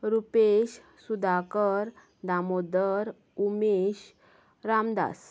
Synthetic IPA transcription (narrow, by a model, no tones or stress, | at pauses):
ɾupeɕ | sud̪ʱakəɾ | d̪amod̪əɾ | umeɕ | ɾamd̪a̰s